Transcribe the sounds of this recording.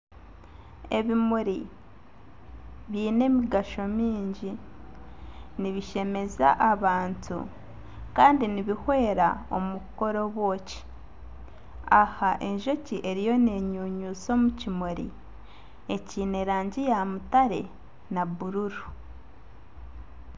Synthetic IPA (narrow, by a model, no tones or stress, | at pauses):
e̞̰βimuɾi | βiːne̞miɡaʃo̞miːɲɟi | niβiʃe̞me̞za̰ʔaβaːntṵ | kaːndiniβihwe̞ːɾa̰o̞̰muko̞ɾo̞βwo̞ːci̥ | ahaʔe̞ɲʒo̞ciʔe̞ɾijo̞neɲuːɲuːt͡so̞ːmucimoɾḭ | e̞ciːneɾaːɲɟijamutaɾe̞̰ | naβuɾuɾu